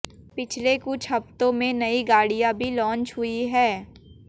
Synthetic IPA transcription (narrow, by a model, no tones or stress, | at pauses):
pɪt͡ʃʰlekʊt͡ʃʰɦɐft̪õmẽnɐiɡaːɽijãbʱilɔ̃ːnt͡ʃɦʊiɦɛː